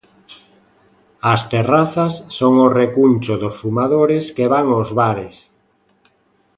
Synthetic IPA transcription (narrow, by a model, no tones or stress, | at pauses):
ast̪eraθasːoŋorekunt͡ʃoðosfumaðoɾeskeβaŋozβaɾes